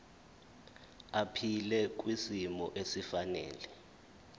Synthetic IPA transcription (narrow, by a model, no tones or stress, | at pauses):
apʰilɛk̬ʼwisimɔ̰ʔesifanɛ̰ːlɛ